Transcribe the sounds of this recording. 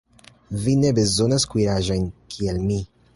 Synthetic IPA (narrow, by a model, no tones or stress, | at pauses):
vine̞be̞zo̞naskwiɾaʒo̞jnkʰielmi